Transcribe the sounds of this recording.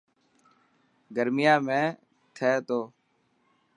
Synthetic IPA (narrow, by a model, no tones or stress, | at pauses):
ɡəɾmɪjãːmẽː | t̪ʰɛːt̪oː